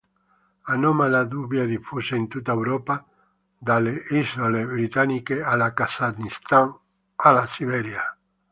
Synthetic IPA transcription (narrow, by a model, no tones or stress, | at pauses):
anomalaðuβjaðifuseent̪ut̪aewɾopa | d̪aleizoleβɾit̪anikealakasad̪nist̪aŋ | alasiβeɾja